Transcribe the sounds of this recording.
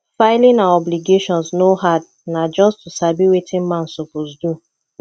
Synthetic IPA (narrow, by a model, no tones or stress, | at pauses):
faɪlĩnaɔbliɡeʃɔ̃nsnoɦad | nad͡ʒɔstusabiwetʰĩnmãnsofusdu